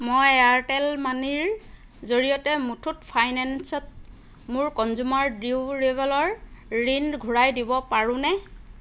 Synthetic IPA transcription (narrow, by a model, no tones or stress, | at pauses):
mojaɹʈɛlmaniɹ | zoɹijɔtɛmutʰutpʰajnɛnsɔt̚ | mʊɹkɔnzumaɹdiɹɛbɛlɔɹːinɡʱuɹajdibɔpaɹʊ̃nɛ